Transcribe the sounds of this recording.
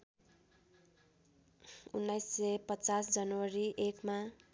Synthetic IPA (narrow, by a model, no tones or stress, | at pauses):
ṵnːajsːepʌt͡sasd͡zʌnʌwʌɾiʔekma